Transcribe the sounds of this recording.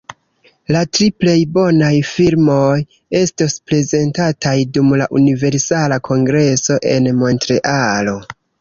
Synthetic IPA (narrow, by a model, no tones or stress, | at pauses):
latɾiple̞jbo̞najfilmo̞j | e̞stospɾe̞ze̞ntatajdumlaʔunive̞ɾsalakʰo̞ŋɡɾe̞so̞ʔe̞̰nmo̞ntɾe̞ʔalo̞